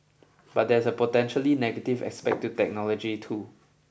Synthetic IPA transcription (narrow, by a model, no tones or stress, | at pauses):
b̥at̚dɛsəpotɛ̃nʃəlinɛɡətivɛ̰spɛ̰k̚tutɛk̚nɔlɔd͡ʒitʰu